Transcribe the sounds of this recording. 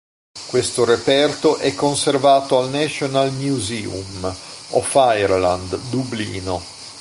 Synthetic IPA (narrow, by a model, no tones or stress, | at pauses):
kwest̪oɾepɛrt̪oʔɛkːonservaːt̪oalnɛʃonalmjuziṵmɔfajrla̰nd̪d̪ublḭːno